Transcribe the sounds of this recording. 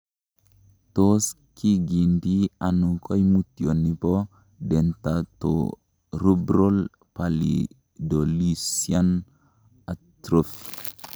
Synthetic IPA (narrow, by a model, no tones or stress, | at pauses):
tos | kiɡindianukʰɔjmutːionːipɔ | dɛntato̰ | ɾubɾol | palḭ | dolisian | atɾof